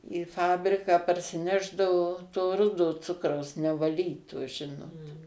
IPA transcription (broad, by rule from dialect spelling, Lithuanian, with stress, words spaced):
iː ˈfɑːbʲrʲɪkɑː pɐrʲsʲɪˈnʲæːʒdɐʋoː toː ˈrʊdoː ˈt͡sʊkrɐʊs nʲɛʋɐˈlʲiːtoː ˈʒʲɪnoːt